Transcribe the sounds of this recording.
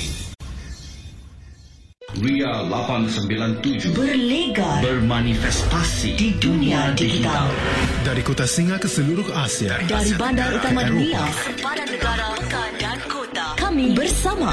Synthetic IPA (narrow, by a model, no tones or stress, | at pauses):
wialapansəmbilant̪ud͡ʒbərleɡabərmanifɛst̪asididunĩadiɡit̪aaldaɾikot̪asiŋakəsəluɾʊhasia̰daɾibandaɾut̪amãduia | kamibərsama